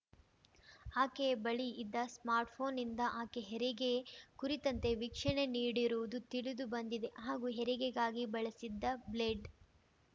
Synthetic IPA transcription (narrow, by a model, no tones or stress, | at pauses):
aːkebɐɭiːd̪ːɐsmaːɾʈpʰo̞ːnind̪ɐʔaːkeɦɛɾiɡekuɾit̪ɐnt̪e̞ʋikʂɐɳe̞niːɽiɾuʋud̪ut̪iɭid̪ubɐnd̪id̪e̞ɦaːɡuːɦɛɾɛɡeɡaːɡibɐɭɐsid̪ːɐbleːɖ